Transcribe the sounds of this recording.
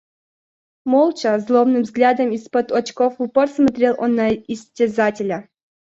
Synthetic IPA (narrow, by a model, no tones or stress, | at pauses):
mɔlˠt͡ɕɐzlˠomnɨmvzɡlʲad̪əmispɔt̪ɔt͡ɕkofupɔrsmɐt̪ɾʲelˠʔɔnːɐisʲtʲɪzatʲɪlʲə